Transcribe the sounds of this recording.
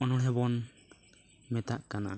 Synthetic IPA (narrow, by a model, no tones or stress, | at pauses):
ɔnɔɽɦɛbɔn | mɛt̪aʔkana̰